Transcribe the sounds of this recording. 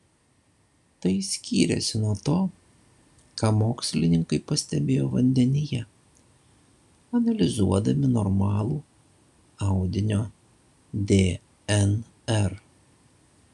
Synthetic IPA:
t̪ɐɪsʲkʲiːɾʲɛ̰sʲɪnuɔt̪oː | kɑːmoːksʲlʲɪnʲɪŋkɐɪpɐsʲt̪ʲɛbʲeːjoːʋɐnʲd̪ʲɛnʲɪjɛ | ɐnɐlʲɪzuɔd̪ɐmʲɪnɔɾmɑːlˠuː | ɑʊd̪ʲɪnʲoː | d̪ʲeː | ɛn | ɛɾ

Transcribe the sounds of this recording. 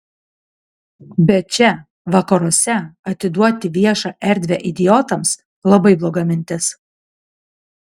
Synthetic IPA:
bʲɛt͡ʃʲɛ | ʋɑkɐɾoɔsʲɛɐt̪ʲɪd̪uɔt̪ʲɪʋʲiɛʃɑːʔɛɾʲd̪ʲʋʲɛʔɪd̪ʲɪjɔt̪ɐms | lˠɐbɐɪblˠoːɡɑmʲɪnʲt̪ʲɪs

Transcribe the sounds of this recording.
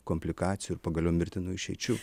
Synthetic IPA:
koːmʲpʲlʲɪkɑːt̪sʲɪjuɪɾpɐɡɐlʲɛʊmʲɪɾʲt̪ʲɪnuːɪʃʲɛɪt͡ʃʲuː

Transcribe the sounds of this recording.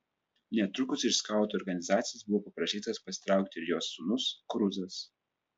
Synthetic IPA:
nʲɛt̪ɾʊkʊsɪʃskɑˑʊt̪oːɾɡɐnʲɪzɑːt̪sʲɪjɛsbʊʋoːpɐpɾɐʃʲiːt̪ɐspɐsʲɪ̥t̪ɾɑˑʊk̚t̪ʲɪɪɾjoːsʊnʊskɾʊzɐs

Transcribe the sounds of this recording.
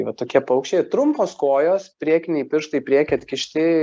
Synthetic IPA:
ʋɐt̪oːkʲiɛpɐʊkʃʲt͡ʃʲeːt̪ɾʊmpoːskoːjoːspʲɾʲiɛkʲnʲɛiːpʲɪɾʃt̪ɐipʲɾʲiɛkʲɛɐt̪ʲkʲɪʃʲt̪ʲɪ

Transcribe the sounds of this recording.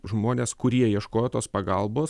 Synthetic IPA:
ʒmoːnʲeːskʊɾʲiɛiɛʃkoːjoːt̪oːspɐɡɐlˠboːs

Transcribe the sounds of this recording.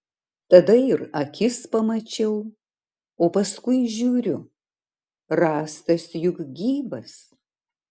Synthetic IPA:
t̪ɐd̪ɐɪɾɐkʲɪspɐmɐt͡ʃʲɛʊ | oːpɐskʊɪʒʲuːɾʲʊ | ɾɑːst̪ɐsjʊkɡʲiːbɐs

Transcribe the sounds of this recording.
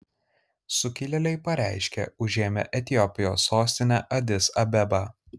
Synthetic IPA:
sʊkʲɪlʲɛlʲɛɪpɐɾʲæˑɪʃʲkʲɛ̰ʊʒʲeːmʲɛ̰ʔɛt̪ʲɪjɔpʲɪjo̰ːsːoːsʲt̪ʲɪnʲæʔɐd̪ʲɪsɐbʲɛbɐ

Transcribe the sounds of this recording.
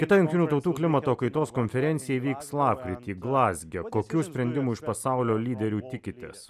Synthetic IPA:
kʲɪt̪ɐjʊŋʲkt̪ʲɪnʲuːt̪ɒʊt̪uːklʲɪmɐt̪oːkɐɪt̪oːskonʲfʲɛɾʲɛnʲsʲɪjɛʋʲiːkslˠɑːp̚kɾʲɪt̪ʲiːɡlˠɑːzʲɡʲɛkoːkʲuːsʲpʲɾʲɛnʲd̪ʲɪmuːɪʃpɐsɑˑʊlʲoːlʲiːd̪ʲɛɾʲuːt̪ʲɪkʲɪt̪ʲḛs

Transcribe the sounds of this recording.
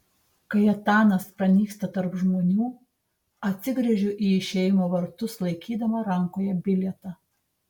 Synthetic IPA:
kɐɪɐt̪ɑːnɐspɾɐnʲiːkst̪ɐt̪ɐɾpʒmoːnʲuː | ɐt̪ʲsʲɪɡɾʲɛʒʲʊʔiːɪʃʲeːjɪmoːʋɐɾt̪ʊslˠɐɪkʲiːd̪ɐmɐɾɐŋkoːjɛbʲɪlʲɛt̪ɑ

